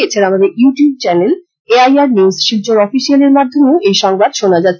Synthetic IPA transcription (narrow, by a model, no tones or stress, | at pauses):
et͡ɕʰenamad̪eɾjuʈijub̚t͡ɕɛnel | eajaɾnizʃibd͡ʑoɾɔfiʃialeɾmad̪ʱomeejʃɔŋbad̪ʃonad͡ʑat̪ː